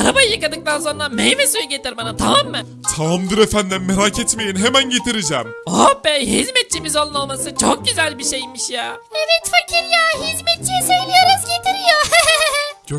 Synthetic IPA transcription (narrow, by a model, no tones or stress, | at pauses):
aɾabajɯjɯkad̪ɯk̚t̪ʰanso̞nɾamejvesujuɟet̪ʰiɾbanat̪ʰamamːɯ | t̪ʰamamd̪ɯɾefænd̪inmeɾacʰet̪mejinɦemænɟe̞t̪ʰiɾid͡ʒɛmobɛɦizmɛt̪̚t͡ʃʰimizo̞lˠunolˠmasɯt͡ʃʰok̚ɟyzælʲbiʃejmiʃjaːmevɛt͡ʃfacʰiɾjaɦizmet̪̚t͡ʃʰijisøjlʲijoɾazɟe̞t̪ʰiɾijohɛɦɛɦɦ